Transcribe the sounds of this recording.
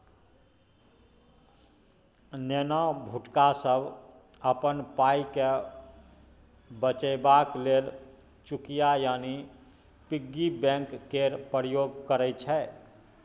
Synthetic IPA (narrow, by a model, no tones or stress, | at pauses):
nenəbʱuʈkasəbʱ | əpənpaike | bət͡ʃəɪbaklel | t͡ʃukijajani | piɡːibɛ̃ŋkːeɾpɾəjoɡkəɾɛjt͡ʃʰɛ